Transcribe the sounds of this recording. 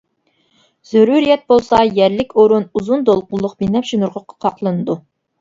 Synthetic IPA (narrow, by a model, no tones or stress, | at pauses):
z̥øɾuɾijɛt̪̚bolˠsɑjɛɾlɪkʲoɾunuzund̪olˠqʊlˠːʊqbinɛpʃinuɾʁəqʰqʰɑqlˠɨnɨd̪u